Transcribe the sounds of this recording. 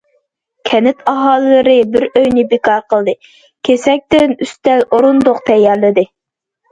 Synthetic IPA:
kʲʰɛnɪt̪ʰɑɦɑːlˠɨlɨɾɨbɪɾøjnɪbɪkʰɑɾqʰəlˠd̪ɨ | kʲʰesɛk̚ʲt̪ɪnyst̪ɛlʔoɾund̪ʊqt̪ʰɛjːɑɾlɨd̪ɨ

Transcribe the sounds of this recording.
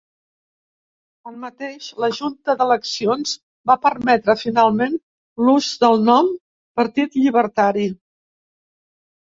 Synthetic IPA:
əlmət̪eʃləʒunt̪əðələksionz̥ | bapəɾmɛt̪ɾəfinalˠmen | luzd̪əlˠnɔm | pəɾt̪it̪ʎiβ̞əɾt̪aɾi

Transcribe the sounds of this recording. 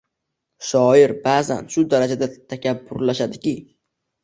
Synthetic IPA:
ʃɒɪɾbaːza̰nʃʊd̪aɾad͡ʒad̪at̪ʰakʲʰabːʊɾlaʃad̪ɪkʲɪ

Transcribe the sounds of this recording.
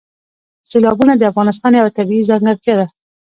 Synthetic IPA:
selɑbunad̪əafɣɑnɪs̬t̪ɑnjawat̪abiizɑŋɡəɾt̪jɑd̪a

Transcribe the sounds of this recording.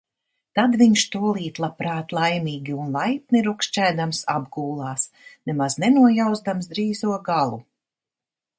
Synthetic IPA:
t̪ad̪viɲʃt̪uɔlˠiːt̪lˠapɾaːt̪lˠajmiːɡʲiunlˠajp̚niɾukʃt͡ʃæːd̪amsa̰bɡuːlˠɑːsnɛmaznɛnuɔjawzd̪amsd̪ɾiːzuɔɡalˠu

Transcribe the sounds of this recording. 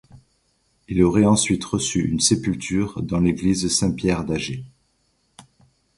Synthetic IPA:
iloʁɛɑ̃sɥit̪ʁəsyy̰nsepylt̪ʰyʁd̪ɑ̃leɡlizsɛ̃pjɛʁd̪aʒe

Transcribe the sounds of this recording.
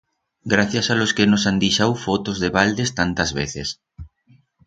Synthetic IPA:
ɡɾaθjasaloskenosand̪iʃawfot̪ozðeβald̪est̪ant̪azβeθes

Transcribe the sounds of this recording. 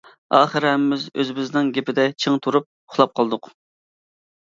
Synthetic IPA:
ɑːχəɾɛmːɪzø̰zɪbɪznɪŋɡʲepɪd̪ɛt͡ʃʰɨŋt̪ʰuɾup̚ | ʊχlˠɑp̚qʰɑlˠd̪ʊq

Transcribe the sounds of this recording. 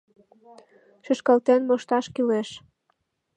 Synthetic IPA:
ʃəʃkɑlt̪enmoʃt̪ɑʃkileʃ

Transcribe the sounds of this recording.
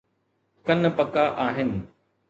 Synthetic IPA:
kɐnpɐkaʔaːɦɪnɪ̆

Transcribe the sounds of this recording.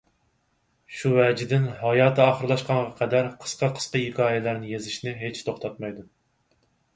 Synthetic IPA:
ʃuvɛd͡ʒɪd̪ɪnɦɑjɑːt̪ʰɨɑːχəɾlˠɑʃqɑŋʁɑqʰɛd̪æɾqʰə̥sqɑqʰə̥sqɑɦɪkʰʲɑːjɛlæɾnɪjezɪʃnɪɦet͡ʃt̪ʰoχt̪ʰɑt̪̚mɑjd̪u

